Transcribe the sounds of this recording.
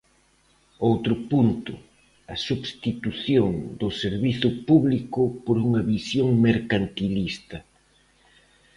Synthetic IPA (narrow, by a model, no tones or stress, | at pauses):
owt̪ɾʊpunt̪ʊ̰ | ɐsuβst̪it̪uθjoŋd̪ʊseɾβiθʊpuβlikʊpoɾuŋɐβisjoŋmeɾkant̪ilist̪ɐ